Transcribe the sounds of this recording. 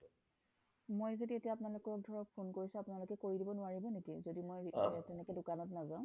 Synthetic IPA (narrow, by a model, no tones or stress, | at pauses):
mojzodietijaapʊnalʊkɔk̚dʱɔɹɔk̚pʰonkoɹisʊ̃apʊnalʊkɛkoɹidibɔnʊaɹibɔnetiɛzodimojtɛnɛkɛdʊkanɔtnazãʊ̃